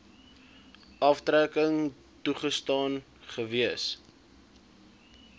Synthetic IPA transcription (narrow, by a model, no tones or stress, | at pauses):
ɐftrækəŋ | tuχəstɑːn | χəviəs